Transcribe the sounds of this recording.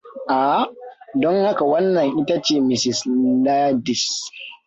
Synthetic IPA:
ʔa˨˦˨dɔ˦ŋha˦ka˨wɐ˦nːɐ˨ŋʔɪ˦ta˦t͡ʃeː˦˨mɪ˨sɪ˨sla˦dɪ˨s

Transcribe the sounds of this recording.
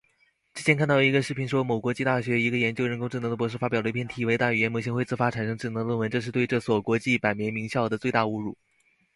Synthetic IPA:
ʈ͡ʂɻ̩˥˩t͡ɕjɛ˥nkʰa˥˧nt̪ɑ˥˩ʊi˧˥ɡə˧ʂɻ̩˥˩pʰi˧˥nʂwɔ˥mo˨˩ʊkwɔ˧˥t͡ɕi˥˧t̪a˥˩ɕɥɛ˧˥i˧˥ɡə˧jɛ˧˥nt͡ɕjo˥ʊɻə˧˥nkʊ˥ŋʈ͡ʂɻ̩˥˩nɤ˧˥d̪ə˧pwɔ˧˥ʂɻ̩˥˩fa˥pj̪pʰɛ˥nt̪ʰi˨˥˩we˧˥ɪt̪a˥˩y˨˩ɛ˧˥nmo˧˩ɕ̬i˧˥ŋxwɪt͡sɹ̩˥˩fa˥ʈ͡ʂʰa˨˩nʂɤ˥ŋʈ͡ʂɻ̩˥˩n˧˥˧lwə˥˩wə˧˥nʈ͡ʂɤ˥˧ʂɻ̩˥˧t̪we˥˧ɪʈ͡ʂɤ˥˩swɔ˨˩kwɔ˧˥t͡ɕi˥˩pa˨˩ɪmjɛ˧˥nmi˧˥ŋɕjɑ˥˩ʊd̪ə˩t͡swe˥˧ɪt̪a˥˩u˧˥ɻṵ˨˩

